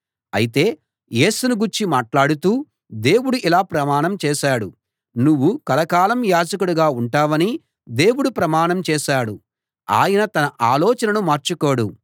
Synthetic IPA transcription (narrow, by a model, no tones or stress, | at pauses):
ɐ̰jit̪e̞ː | je̞ːsunuɡuɾt͡ʃimaːʈlaːɽut̪uː | d̪e̞ːwuɽuʔilaːpɾɐmaːɳɐmt͡ʃɛːʃaːɽu | nuʋːukɐlɐkaːlɐmjaːd͡ʒɐkuɽuɡaːuɳʈaːʋɐni | d̪e̞ːwuɽupɾɐmaːnɐmt͡ʃɛːʃaːɽu | a̰ːjɐnɐt̪ɐnɐʔaːlɔːt͡ʃɐnɐnumaːɾt͡ʃuko̞ːɽṵ